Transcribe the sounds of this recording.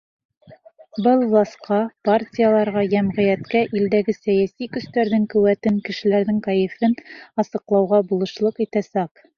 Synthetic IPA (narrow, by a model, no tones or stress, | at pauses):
bɤlˠlˠɑsqɑpartʲijalˠɑɾʁɑjæmʁɘ̆jæt̪kæʔild̪æɡɘsæjæsikɵ̆st̪æɾðɘŋkʉ̆wæt̪ɘŋkɘ̆ʃɘ̆læɾðɘŋkɑjɘ̆fɘnɑsɤ̆qlˠɑwʁɑbulˠɤ̆ʃlˠɤqit̪æsæq